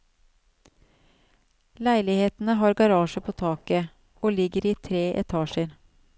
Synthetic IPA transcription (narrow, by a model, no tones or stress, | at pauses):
læɪlɪheːt̪n̩əɦɑːɾɡɑɾɑːʃəpʰoːt̪ʰɑːkə | oːlɪɡəɾiːt̪ʰɾeːʔɛ̰t̪ʰɑːʃəɾ